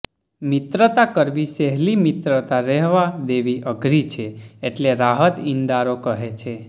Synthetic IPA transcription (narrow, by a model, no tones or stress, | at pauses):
mɪt̪ɾət̪akəɾʋisɛɦlimɪt̪ɾət̪aɾɛɦʋad̪eʋiʔəɡʱɾit͡ʃʰeeʈleɾaɦət̪ĩnd̪aɾokəɦet͡ʃʰe